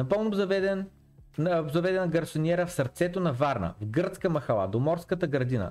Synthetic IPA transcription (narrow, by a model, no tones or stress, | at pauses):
nɐpɤlˠnobzɐvɛd̪ɛn | zɐvɛd̪ɛnɐɡɐɾsonʲiɛɾəfsɐɾt̪sɛt̪onɐvaɾnə̰vɡɤɾt̪skəmɐxɐlˠa̰d̪omɔɾskət̪əɡɾɐd̪inə̰